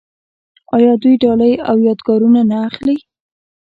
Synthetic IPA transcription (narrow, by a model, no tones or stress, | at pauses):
ɑjɑd̪ujɖɑləjawjɑd̪ɡɑɾunanaːxli